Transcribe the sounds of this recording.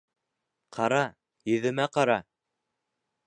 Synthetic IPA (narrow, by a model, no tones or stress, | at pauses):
qʰɑɾɑ | jɵ̆ðɘ̆mæqɑɾɑ